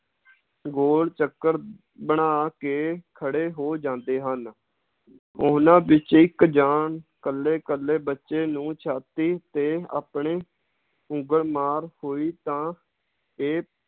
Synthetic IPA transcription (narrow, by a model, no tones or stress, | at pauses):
ɡoːɽt͡ʃəkːəɾ | bəɳaːkeːkʰəɽeːɦoːd͡ʒãːnd̪eːɦən | ʊːnãːbɪt͡ʃɪkd͡ʒaːnkəlːeːkəlːeːbətːʃeːnũːt͡ʃʰaːt̪iːt̪eːa̰ːpɳeː | ʊ̃ŋɡəɾmaːɾhoːiːt̪ãː | eː